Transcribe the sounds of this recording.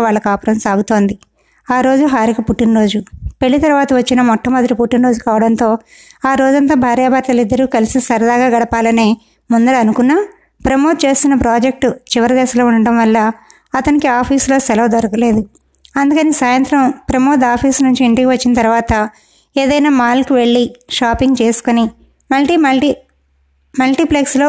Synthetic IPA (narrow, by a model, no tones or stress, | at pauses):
ʋaːɭːɐkaːpɐɾɐmsaːɡut̪o̞ːnd̪i | aːɾo̞ːd͡ʒuɦaːɾikɐpuʈːinɾo̞ːd͡ʒupe̞ɭːit̪ɐɾuʋaːt̪ɐʋɐt͡ʃːinɐmɔʈːɐmɐd̪ɐɾipuʈːinɾo̞ːd͡ʒukaːʋɐɽɐnt̪o̞ː | aːɾo̞ːd͡ʒɐnt̪aːbʱaːɾjaːbaɾt̪ɐlid̪ːɐɾuːkɐlisisɐɾɐd̪aːɡaːɡɐɽɐpaːlɐneː | mund̪ɐlɐnukunːaː | pɾɐmo̞ːt̪̚t͡ʃe̞ːst̪unːɐpɾaːd͡ʒek̚ʈut͡ʃiʋɐɾɐd̪ɛːʃɐlo̞ːuɳɖɐɽɐmʋɐlːɐ | ɐt̪ɐnikiaːpʰiːslo̞ːsɛlɐʋd̪ɐɾɐkɐle̞ːd̪u | ɐnd̪ukɐnisaːjɐnt̪ɾɐmpɾɐmoːd̪aːpʰiːsnuɲt͡ʃiːɳʈikiʋɐt͡ʃːinɐt̪ɐɾuʋaːt̪ɐ | eːd̪ɐjnaːmaːlkuʋe̞ɭːiʃaːpiŋɡt͡ʃe̞ːsu̥koni | mɐlʈii | mɐlʈipleksloː